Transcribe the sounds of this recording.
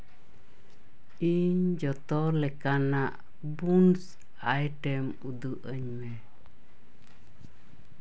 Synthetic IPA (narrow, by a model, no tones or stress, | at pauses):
iɲd͡ʒɔt̪ɔlɛkanaʔ | buns | ajʈɛm | ud̪uʔəɲmɛ